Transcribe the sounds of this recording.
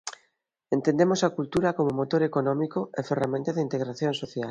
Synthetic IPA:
ent̪ẽnd̪emosakult̪uɾɐkomomot̪oɾekonɔmikoeferamẽnt̪aðeint̪eɣɾaθjõŋsoθjal

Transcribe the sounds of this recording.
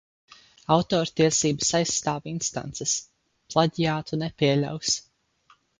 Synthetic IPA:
awt̪ɔːɾt̪iɛsiːbəsajsːt̪aːvinst̪a̰nt̪sɛs | plˠaɟʲijaːt̪unɛpʲiɛlʲa̰ws

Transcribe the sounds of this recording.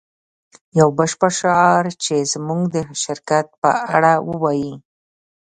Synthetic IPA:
jawbəʃpəʃʊɑɾt͡ʃezmuɡd̪əʃɪɾkat̪̚pə̰ʔaɽawəwɑji

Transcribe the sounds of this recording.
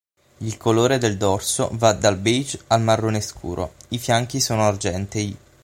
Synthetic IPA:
ilkʰoloːɾed̪eld̪ɔrso̰vad̪albid͡ʒalmarːoneskʰṵːɾʔo̰ifjaŋk̟isoːnoard͡ʒɛnt̪e

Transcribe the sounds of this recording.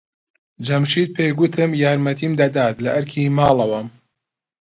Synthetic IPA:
d͡ʒɐmʃiːt̪̚pʰejɡʷʊt̪ʰɨmjaːɾmɐt̪ʰiːmd̪ɐd̪aːt̪lɐʔɐɾkʰimaːlˠɐwɐm

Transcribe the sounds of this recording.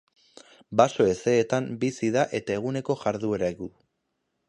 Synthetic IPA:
baso̞e̞se̞ːt̪ambisiðaʔe̞t̪ae̞ɣ̞une̞ko̞ʝaɾðueɾakuðu

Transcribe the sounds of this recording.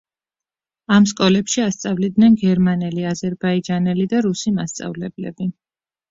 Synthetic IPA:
amskʼɔlɛpʃiast̪sʼavlid̪nɛnɡɛɾmanɛliazɛɾbaid͡ʒanɛlid̪aɾusimast̪sʼa̰vlɛblɛ̰bi

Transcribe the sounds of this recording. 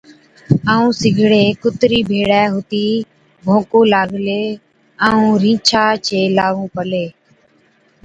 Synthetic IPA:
aːũːsɪɡʱɽeːkʊt̪ɾiːbʱeːɽɛːɦʊt̪iː | bʱõːkõːlaːɡleː | aːũːɾĩːt͡ʃʰaːt͡ʃeːlaːʋũːpəleː

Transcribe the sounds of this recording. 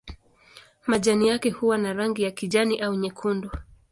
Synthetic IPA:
maʄanijakɛhuwanaɾaŋɡijakiʄaniʔauɲɛkʰundɔ

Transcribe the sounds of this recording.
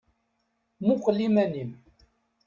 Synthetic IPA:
muqəlːimænim

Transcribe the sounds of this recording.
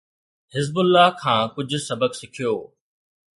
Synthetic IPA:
hɪzbʊlːaɦkʰãːkʊd͡ʑʱʊ̆sɐbəksɪkʰijoː

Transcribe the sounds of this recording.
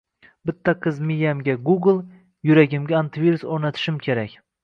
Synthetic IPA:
bɪt̪ʰːaqʰɨzmɪjamɡʲaɡuɡlˠ | jʊɾaɡʲɪmɡʲaant̪ʰvʲiɾusoɾnat̪ʰɪ̥ʃɪmkʲʰe̞ɾakʲ

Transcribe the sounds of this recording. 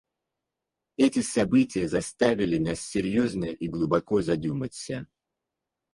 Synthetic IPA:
ɛtʲɪsɐbɨtʲɪjəzɐst̪avʲɪlʲɪnasːʲɪɾʲjoznəʔiɡlˠʊbɐko̞zɐd̪ʲumətʲsʲə

